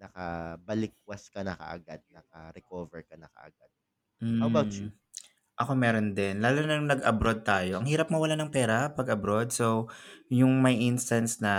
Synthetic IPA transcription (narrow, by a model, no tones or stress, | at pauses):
nɐkɐbɐlɪk̚wɐskɐnɐkɐ̰ʔɐ̰ɡad̪̚nɐkɐɾɛkoːvɛɹkɐnɐkɐ̰ʔɐ̰ɡad̪̥̚ | m̩hawɐbawt͡ʃu | ʔɐko̞mɛːɾond̪ɛnlaːlunɐjʊŋnɐɡʔɐbɾod̪̚t̪aːjo̞ʔɐŋhiːɾɐpmɐwɐlanɐŋpɛːɾɐpɐɡɐbɾo̞d̪̚sowjʊŋmɐjʔɪnst̪ɐnsnɐ